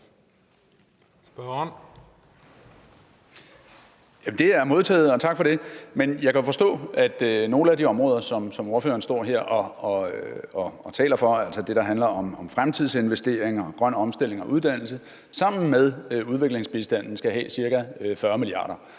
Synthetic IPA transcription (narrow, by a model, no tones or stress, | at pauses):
jæmd̥e̝æɐmo̝ð̞ˠt͡sʰɛ̰ːð̩ˠɒ̽t͡sʰɑ̈ɡ̥fɒ̽ɾ̥e̝menjɑ̈ɪkʰæo̝fɒ̽sd̥ɔ̰̽ːʔæd̥no̝ːləæd̥iɒ̽mʁɔːð̞ˠɐsɒ̽msɒ̽mo̝ɐfø̰ːɐn̩sd̥ɒ̰ːɦe̝ɐ̰ɒɒɒt͡sʰɛ̰ːlɐfɒ̽æl̰sɒd̥e̝ɾ̥ɑ̈ɦænlɐɒ̽mɒ̽mfʁamt͡sʰiðˠse̝nʋesd̥e̝ɐ̰eŋɒ̽ɡ̥ʁɶn̰ɒ̽msd̥e̝l̰e̝ŋɒ̽ʔuð̞ˠd̥æn̰l̩sə | sɑ̈m̰n̩með̞ˠuð̞ˠʋe̝ɡ̥le̝ŋsb̥isd̥æn̰n̩sɡ̥æɦɛ̰ːsiɐɡ̥æfɶɐmiliɑ̰̈ːɾ̥ɐ